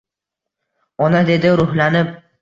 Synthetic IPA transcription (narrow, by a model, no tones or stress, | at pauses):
ɒnad̪e̞d̪ɪɾʊhlanɪp̚